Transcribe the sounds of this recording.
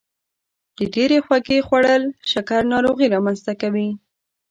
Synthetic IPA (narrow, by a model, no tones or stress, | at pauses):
d̪̥əɖeɾexwakexwaɽəlʃakaɾnɑɾoɣiɾɑmanzt̪akawi